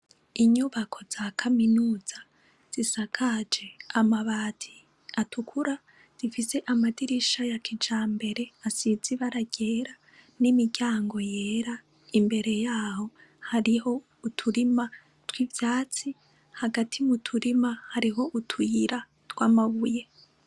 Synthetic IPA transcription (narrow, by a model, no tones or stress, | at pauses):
iɲuβakʰo̞zakʰaminuːz̥a | z̥isakʰad͡ʒe̞amaβaːtʰi | atʰukʰuɾa | z̥ifise̞ʔamadiɾiʃajakʰid͡ʒaːmbe̞ɾe̞asid͡ziβaɾaɟe̞ːɾa | nimiɟaːŋɡo̞je̞ːɾa | imbe̞ɾe̞jaːho̞ | haɾiho̞ | utʰuɾima | twivjaːt͡si | haɡatʰimutʰuɾimahaɾiɦo̞ʔutʰujiɾa | twaːmaβuje̞